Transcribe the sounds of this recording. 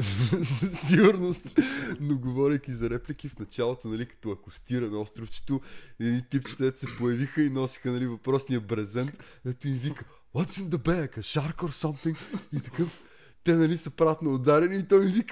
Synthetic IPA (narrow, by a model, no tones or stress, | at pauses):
zɐsiɡʊɾnost̪noɡovɔɾʲɐjkʲizɐɾɛplikifnɐt͡ʃalˠot̪onɐlikɐ̥t̪ɔɐkost̪iɾɐnɔst̪ɾʊft͡ʃɛ̥t̪ʊɛd̪nit̪ipt͡ʃi̥t̪ɛt̪sɛpojɐvixəinɔsi̥xənɐlivɐpɾɔsniəbɾɛzɛnt̪ | kɐt̪oimvikə | wɔt̪sĩmd̪ɐbɛɐkɐʃaɾkoɾsɐmt̪ĩŋkit̪ɐkɤf | t̪ɛnɐlisɐpɾat̪nɐːd̪aɾɛliːt̪ɔimvikə